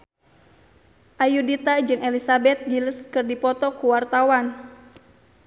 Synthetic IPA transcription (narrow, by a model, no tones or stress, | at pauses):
ʔajudit̪ad͡ʒɨŋelisabɛt̪̚ɡiləskɨrdipɔt̪ɔkuwart̪awan